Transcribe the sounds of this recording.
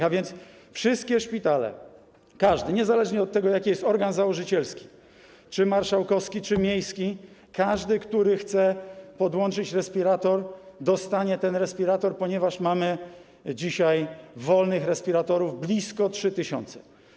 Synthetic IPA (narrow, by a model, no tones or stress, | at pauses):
avʲjɛnt̪s | fʂɘst̪̚kʲɛʂpʲit̪alɛ̰ | kaʐd̪ɘɲɛzalɛʐɲɛɔt̪ːɛɡɔjakʲijɛst̪ɔɾɡanzawɔʐɘt͡ɕɛlskʲi̥ | t͡ʂɘmaɾʂawkɔskʲit͡ʂɘmʲjejskʲikaʐd̪ɘkt̪uɾɘxt̪sɛpɔd̪wɔnt͡ʂɘt͡ɕɾɛspʲiɾat̪ɔɾd̪ɔst̪aɲɛt̪ɛnɾɛspʲiɾat̪ɔɾpɔɲɛvaʂmamɘ | d͡ʑiɕajvɔlnɘxɾɛspʲiɾat̪ɔɾuvblʲiskɔtʂɘt̪ɘɕɔ̰nt̪sɛ̥